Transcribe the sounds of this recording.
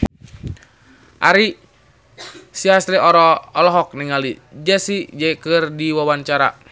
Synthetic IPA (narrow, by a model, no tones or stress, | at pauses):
ʔaɾi | siasɾiɔɾɔːlɔɦɔk̚niŋalid͡ʒɛsid͡ʒɛkɨrdiwawaɲt͡ʃaɾa̰